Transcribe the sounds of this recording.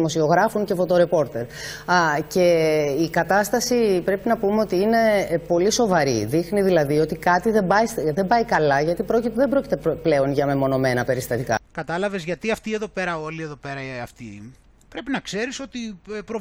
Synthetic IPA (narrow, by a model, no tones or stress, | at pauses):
mo̞sio̞ɣɾɐfuŋce̞fo̞t̪o̞ɾe̞po̞ɾt̪e̞ɾ | ce̞ikɐt̪ɐst̪ɐsipɾe̞pinɐpumeo̞t̪iine̞po̞liso̞vɐɾiðixniðilɐðio̞t̪ikɐt̪iðe̞mbɐjsðe̞mbɐikɐlɐʝɐt̪ipɾo̞cit̪ðembɾo̞cit̪e̞ple̞o̞nʝɐme̞mo̞no̞me̞nɐpe̞ɾist̪ɐt̪ikɐ̰kɐt̪ɐlɐvezʝɐt̪iɐft̪ie̞ðo̞pe̞ɾɐo̞lieðo̞peɾɐɐft̪i | pɾe̞pinɐkse̞ɾiso̞t̪ipɾo